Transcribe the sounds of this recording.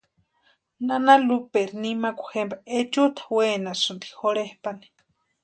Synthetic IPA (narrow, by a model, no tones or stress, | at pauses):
nanalupeɾinimakʷḁxembaet͡ʃut̪ʰḁweːnasɨnd̪i̥xoɾehpani̥